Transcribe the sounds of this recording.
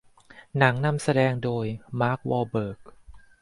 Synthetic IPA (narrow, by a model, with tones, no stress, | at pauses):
na˩˦ŋna˧msa˧dɛː˧ŋdoː˧jmaː˦˥k̚wɔː˧bɤː˨˩k̚